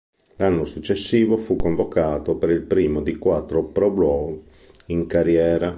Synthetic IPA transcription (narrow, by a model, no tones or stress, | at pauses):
lanːosut͡ʃːesːiːvofukːoɱvokaːt̪opeɾilpɾiːmod̪ikwat̪ːɾopɾɔblɔ | iŋkaɾjɛːɾa